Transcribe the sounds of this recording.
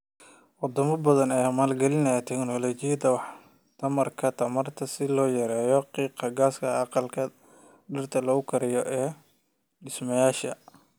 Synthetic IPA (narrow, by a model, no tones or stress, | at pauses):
wɑd̪ɐmɐbɐðɐnɛːmaːlɡɛlɪnɛt̪ʰɛknɔlɔt͡ʃɪjɐd̪ɐwɑħ | t̪ʰɐmɐrkʰɐt̪ʰɐmɐrt̪ʰɐsɪlɔːjɐɾɛːjɔqiːqɑɡaːskʰɐɑqɑlkʰɐ | ɖɪrt̪ʰɐlɐʊkʰɐɾɪjɔʔɛː | ɖɪsmɐjaːʃɐ̰